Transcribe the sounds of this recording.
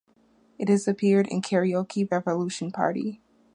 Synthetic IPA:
ɨt̚hɨzɨpʰɪɹɾɨ̰̃nkʰɛɹiokʰiɹɛvəluʃn̩pʰɑ̰ɹɾḭ

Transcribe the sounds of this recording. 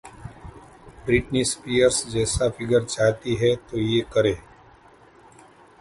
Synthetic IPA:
bɾɪʈnispiːjəɾsd͡ʒɛːsafɪɡəɾt͡ʃaːɦt̪iɦɛt̪ojeːkəɾẽː

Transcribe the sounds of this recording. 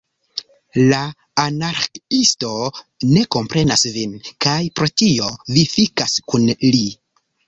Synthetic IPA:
la | anaɾkisto̞ne̞ko̞mpɾe̞nasvinkajpɾo̞tio̞vifikaskunli

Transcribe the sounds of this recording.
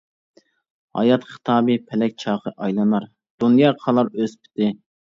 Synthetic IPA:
hɑ̰jɑt̪χə̥t̪ʰɑːbɨpʰɛlɛk̚ʲt͡ʃʰɑːqʰəʔɑjlˠɑnɑɾ | d̪̥unjɑːqʰɑlˠɑɾøspʰɪ̥t̪ɪ

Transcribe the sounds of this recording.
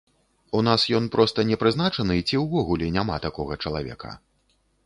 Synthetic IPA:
unasjɔnpɾɔst̪ɐnʲɛpɾɨznat͡ʂɐnɨt͡sʲiwvɔɣulʲɛnʲama̰t̪akɔɣɐt͡ʂɐlˠa̰vʲɛ̰kɐ̰

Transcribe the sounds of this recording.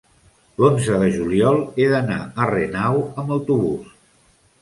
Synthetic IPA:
lonzəðəʒuliɔlˠeðəna̰ərenawəməwt̪uβus

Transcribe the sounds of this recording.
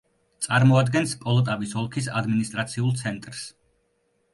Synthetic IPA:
t̪sʼaɾmɔad̪ɡɛnskʼɔlˠɔt̪ʼavisɔlˠkʰisa̰d̪minist̪ʼɾat̪sʰiulˠt̪sʰɛnt̪ʼɾs

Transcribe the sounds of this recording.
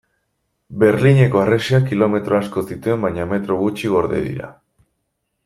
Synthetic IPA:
be̞ɾliɲe̞ko̞areseakilo̞me̞t̪ɾo̞asko̞sit̪ue̞mbajɲame̞t̪ɾo̞ɣut͡ʃiɣ̞o̞ɾðe̞̰ðḭɾa̰

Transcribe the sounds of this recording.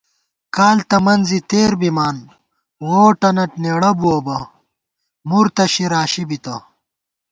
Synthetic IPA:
kaːlt̪ɐmɐnzit̪eːɾbimaːn | woːʈɐnɐʈneːɽɐbuɐbɐ | muɾt̪ɐɕiɾaːɕibit̪ɐ

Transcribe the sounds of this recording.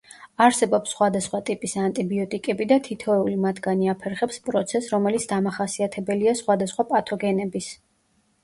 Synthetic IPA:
aɾsɛbɔpsːχwad̪asχwat̪ʼipʼisant̪ʼibiɔt̪ʼikʼɛbid̪at̪ʰit̪ʰɔɛulimat̪ʰɡaniapʰɛɾχɛpspʼɾɔt̪sʰɛsɾɔmɛlit̪sʰd̪amaχasiat̪ʰɛbɛliasχwad̪asχwapʼat̪ʰɔɡɛnɛbis

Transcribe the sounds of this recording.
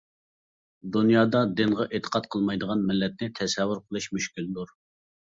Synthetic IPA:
d̪unjɑːd̪ɑd̪ɪnʁɑʔet̪ʰə̥qʰɑt̪qʰəlˠmɑjd̪əʁɑnmɪlːɛt̪̚nɪt̪ʰɛsɛvːuɾqʰəlˠɨʃmyʃkʲild̪uɾ

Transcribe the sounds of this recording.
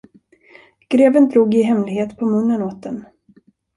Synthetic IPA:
ɡ̥ɾeːvənd̪ɾuːɡɪɦɛmlɪɡheːt̪pʰɔmɵnːənoːt̪̚d̪ɛn

